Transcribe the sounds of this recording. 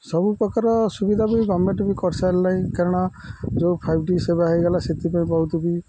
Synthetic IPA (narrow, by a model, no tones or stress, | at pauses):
sɔbupɾɔkaɾɔsubid̪ʱabiɡɔmẽʈbikɔɾsʰalːaĩkɛɾɽ̃ad͡ʒopʰajbɖisebaɦiɡɛlaset̪ipaĩbɔɦut̪bi